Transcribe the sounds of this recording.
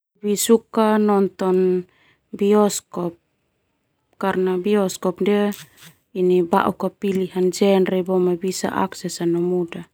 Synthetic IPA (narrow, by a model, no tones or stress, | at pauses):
bisukanɔnt̪ɔn | biɔskɔp̚ | kaɾnabiɔskɔpdɛ | iniba̰ʔukapiliɦand͡ʒɛnrɛbɔmabisa̰ʔa̰ksɛsanɔmuda